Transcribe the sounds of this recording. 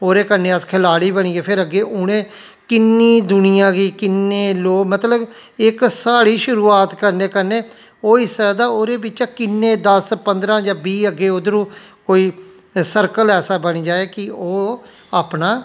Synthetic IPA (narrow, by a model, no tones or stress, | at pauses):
oːɾeːkəɾnẽːəskʰɪlaːɽiːbəɳiːeːpʰɪɾəɡeːʔʊɽẽː | kɪnːiːd̪ʊnɪjãːɡiːkɪnːeːloːmət̪ləb | ɪksaːɽiːʃʊɾuːaːt̪kəɾneːkəɾneː | oːɪsad̪aːoːɾeːbɪt͡ʃaːkɪnːeːd̪əspənd̪ɾãːd͡ʒãːbiːəɡːeːod̪əɾũːkoːiː | səɾkəlɛːsaːbəɽ̃iːd͡ʒaːeːkɪoː | aːpnaː